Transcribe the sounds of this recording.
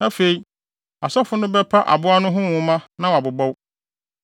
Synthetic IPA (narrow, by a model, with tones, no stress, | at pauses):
ã˦fe˨i˦ | a˨sɔ˦fʊ˦nʊ̃˦bɛ˦pʰa˦ʔa̰˨bʊ˦a˦nʊ̃˦ɦʊ̃˦wʊ̃˦mã˦nã˦wa˨bʊ˨bɔ˦w